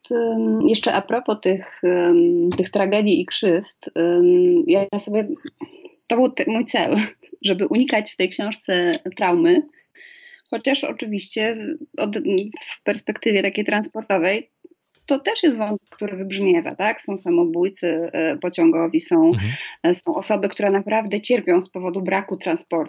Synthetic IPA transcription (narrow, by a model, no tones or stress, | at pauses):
jɛʂt͡ʂɛʔapɾɔpɔt̪ɘx | t̪ɘxt̪ɾaɡɛd̪ʲjiːkʂɘft̪ | jajasɔbʲjɛ | t̪ɔbɘwt̪mujt̪sɛ̰l | ʐɛbɘʔuɲikat͡ɕft̪ɛjkɕɔ̃w̃ʂt̪sɛt̪ɾawmɘ | xɔt͡ɕaʂɔ̰t͡ʂɘvʲiɕt͡ɕɛɔd̪fpɛɾspɛkt̪ɘvʲjɛt̪akʲejt̪ɾanspɔɾt̪ɔvɛj | t̪ɔt̪ɛʂjɛst̪vɔnt̪ɛkːt̪uɾɘvɘbʐmʲjɛva̰t̪aksɔ̃w̃samɔbujt̪sɨpɔt͡ɕɔ̃ŋɡɔvʲisɔ̃w̃sɔ̃w̃ʔɔsɔbɘkt̪uɾɛnapɾavd̪ɛt͡ɕɛɾpʲjɔ̃w̃spɔvɔd̪ubɾakut̪ɾãnspɔɾt̪u̥